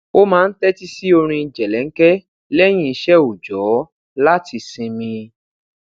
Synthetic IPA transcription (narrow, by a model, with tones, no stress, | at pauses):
o˦mãː˦˧n̩˦tɛ˦ti˦si˦o˧ɾ̃ĩ˧i˧d͡ʒɛ˨lɛ˨˦ŋ̩˦kɛ˦ | lɛ˦j̃ĩ˦i˧ʃɛ˦o˨d͡ʒɔ˨˦ | la˦ti˧sĩ˧mĩ˧